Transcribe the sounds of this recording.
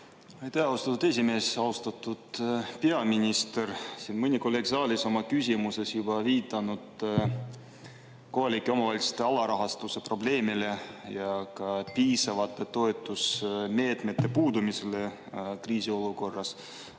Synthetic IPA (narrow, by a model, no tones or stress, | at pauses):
ɑjt̪æhɑwst̪ɑt̪ːud̪e̞sʲime̞ːsɑwst̪ɑt̪ːˑud̪̥pe̞ɑminʲist̪ersinmɨnʲikolːe̞ːɡ̥sɑːlʲiso̞mɑkysʲimuse̞sjub̥ɑviːt̪ːˑɑnud̪̥ | ko̞ɦɑlʲikːˑeo̞mɑvɑlʲt̪se̥t̪ːˑe̞ɑlɑɾɑɦɑst̪use̞pro̞ble̞ːmile̞jɑkɑpiːsɑvɑt̪ːˑe̞t̪o̞et̪ˑːusme̞ːt̪me̞t̪ːe̞puːd̪umisele | kriːsio̞luko̞rːɑs